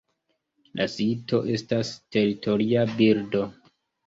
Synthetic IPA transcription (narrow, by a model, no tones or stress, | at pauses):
lʔasito̞ʔe̞staste̞ɾitʰo̞ɾiabiɾdo̞